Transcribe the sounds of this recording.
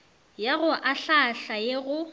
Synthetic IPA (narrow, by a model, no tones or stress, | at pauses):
jaɣʊʔaɬaɬajeɣʊ